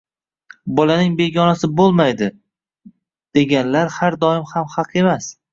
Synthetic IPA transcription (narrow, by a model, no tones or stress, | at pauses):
bɒlanɪŋbe̞ɡʲɒnasɪbolˠmajd̪ɪ | d̪̥e̞ɡʲanlaɾhaɾd̪ɒɪmhamhɑqʰe̞mas